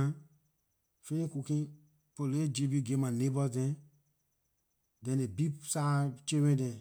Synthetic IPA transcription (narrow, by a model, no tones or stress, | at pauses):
a | feĩkukĩ | poled͡ʒebiɡemãnebɔdɛ̃ | dɛ̃nebisat͡ʃewẽdɛ̃